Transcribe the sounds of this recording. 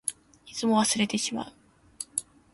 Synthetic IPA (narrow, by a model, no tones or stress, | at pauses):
it͡sɨmo̞βasɨɾe̞t̪e̞ɕima̰ɯ̟